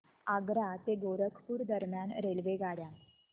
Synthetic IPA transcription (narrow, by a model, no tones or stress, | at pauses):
aɡɾat̪eɡoɾəkʰpuːɾd̪əɾmjanɾelʋeɡaɽja